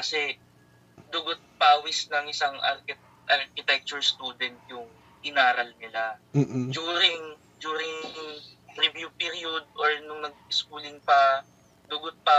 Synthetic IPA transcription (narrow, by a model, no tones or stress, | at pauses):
kɐsɛ | d̪ʊɡot̪̚paːwɪsnɐŋɪsaŋʔɐ̰ɾkɪ | ʔɐɾkɪt̪ɛk̚t͡ʃʊɹst̪uːd̪ɛnt̪̚jʊŋ | ɪnaːɾɐlnɪlad͡ʒuːɾɪŋ | d͡ʒuːɾɪŋ | t̪ɾɪbjupiɾiod̪̚ʔoɹnʊŋnɐɡ̚ɪskuːlɪŋpɐ | d̪ʊɡʊt̪̚pa